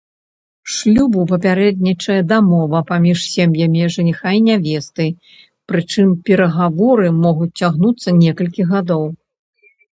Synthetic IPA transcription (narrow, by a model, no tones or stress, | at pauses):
ʂlʲubupɐpʲaɾɛd̪̚ʲnʲit͡ʂɐjɐd̪amɔvɐpamʲiʂsʲemjɐmʲiʐɨnʲixajinʲavʲɛst̪ɨ | pɾɨt͡ʂɨmpʲɛɾɐɣavɔɾɨmɔɣut͡sʲt͡sʲaɣnut̪sːɐnʲɛkɐlʲkʲiɣad̪ɔw